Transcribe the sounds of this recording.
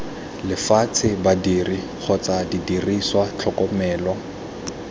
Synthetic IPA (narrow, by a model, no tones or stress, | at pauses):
lɪfat͡sʰɪbadiri | k͡xʰɔt͡sadidiriswat͡ɬʰɔkʼɔmɛːlwɔ